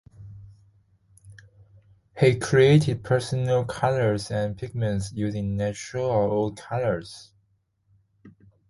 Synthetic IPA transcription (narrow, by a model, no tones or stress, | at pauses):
hikʰɹieɪtɪd̚pʰɜ˞sənəlˠkʰalə˞zæ̃npʰɪɡ̚mə̃ntsjʉzɪ̃ŋnæt͡ʃɹəlˠəold̚kʰalə˞z̥